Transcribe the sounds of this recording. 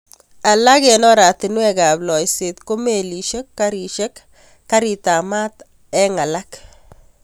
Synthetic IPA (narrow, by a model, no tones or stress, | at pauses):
alakɛnɔɾat̪ɪnwɛkablɔjset̪komeliʃekːaɾiʃekː | aɾit̪amat̪ | ɛŋalak